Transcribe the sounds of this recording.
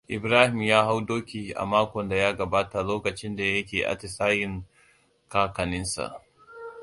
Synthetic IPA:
ʔɪ˨bɾaː˦hɪ˨mjaː˦ɦa˦wdoː˦kʲi˨ʔa̰˨maː˦kʷɔ˨nda˨jaː˦ɡɐ˨baː˦ta˨loː˦kɐ˨t͡ʃɪ˦nda˨jɐ˦kʲeː˨ʔa̰˦tɪ˨saː˦jɪ˨ŋ | kaː˦kɐ˨nɪ˦nsa̰˨ʔ

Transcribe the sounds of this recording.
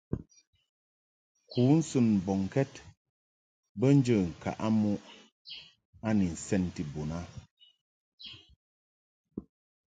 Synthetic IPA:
kuː˨˦n̩˦sɨ˦˨n̩˨bɔ˨ŋ˨kɛ˦t | bə˦n̩˦d͡ʒə˨ŋ̩˨ka̰˨ʔa˦mu˦ʔ | a˦ni˨n̩˨sɛ˦˨n˨ti˨bo˨na˦

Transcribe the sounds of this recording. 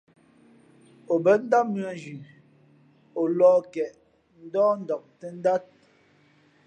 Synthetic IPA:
o˨bə˨˦n̩˦da˦mʉ˦a˨d͡ʒʉ˨ | o˨lɔː˦kɛ˨ʔ | n̩˦dɔː˦n̩˦dɔ˨k̚tə˦n̩˦da˦t̚

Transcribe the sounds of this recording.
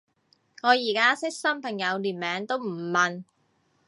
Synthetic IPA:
ŋɔː˨˧jiː˨˩kaː˥sɪ˥k̚sɐ˥mpʰɐ˨˩ŋjɐ˨˧wliː˨˩nmɛː˨˧ŋt̪o˥wm̩˨˩mɐ˨n

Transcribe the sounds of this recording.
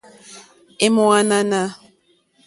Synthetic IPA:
e˦mɔ˦a˦na˦na˦

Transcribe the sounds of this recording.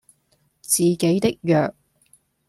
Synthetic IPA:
t͡siː˨˩ke˨˥jt̪ɪ˥k̚jœː˨k̚

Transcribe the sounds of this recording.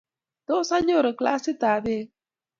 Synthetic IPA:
t̪o˦sa˦ɲõ˦˨ɾə˨kla̰˦si˦t̪a˨ðe˧

